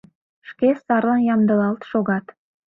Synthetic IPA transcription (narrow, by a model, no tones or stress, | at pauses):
ʃkesɑrlɑnjɑmd̪ə̆lɑlt̪ʃoɣɑt̪